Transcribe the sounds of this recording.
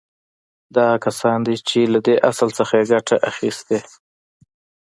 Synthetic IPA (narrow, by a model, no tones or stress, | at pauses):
d̪ɑɣakasɑnd̪et͡ʃelad̪eʔasəlsəxajeɡaʈaʔaxist̪e